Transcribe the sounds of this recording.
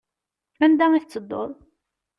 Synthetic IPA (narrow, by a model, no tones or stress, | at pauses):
ænd̪æŋiθət͡sːəd̪ˤːo̰ɾˤ